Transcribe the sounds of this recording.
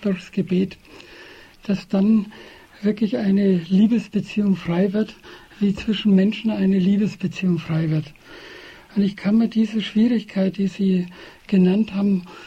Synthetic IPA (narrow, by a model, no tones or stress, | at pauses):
d̥ʊɐçsɡ̥əbeːt | d̥asd̥an | v̥ɪɐklɪçʔaɪnəliːbəsb̥ət͡siːʊŋfʁ̥aɪvɪɐt | v̥iːt͡sv̥ɪʃn̩mɛnʃn̩aɪnəliːbəsb̥ət͡siːʊŋfʁ̥aɪvɪɐt | ʔʊnɪçkʰanmiːɐd̥iːzəʃv̥iːʁɪçkʰaɪtd̥iːziːɡ̥ənanthaːbm̩